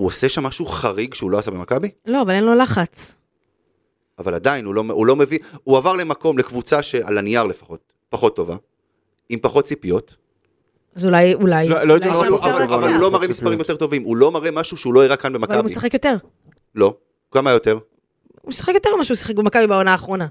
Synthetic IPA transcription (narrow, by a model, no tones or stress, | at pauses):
uoseʃamːaʃuχaʁiɡʃeulo̞asabemakabilo̞avalenlo̞laχat͡s | avaladainulo̞mulo̞me̞viuavaʁle̞mako̞mlekvut͡saʃea̰laniaʁle̞fḁχo̞t̚ | paχo̞t̪ːo̞va | impaχo̞t̚t͡sipjo̞t | azulajulajloovaluavvalavalhulo̞maʁemisppaʁimjot̪e̞ʁto̞vimulo̞maʁemaʃuʃeulo̞iʁakanbemakvkaaumesaχekjo̞t̪eʁ | lo̞ | kamajo̞te̞ʁ | umesḁχekjot̪e̞maʃusḁχekbemakabibaonaːχʁo̞na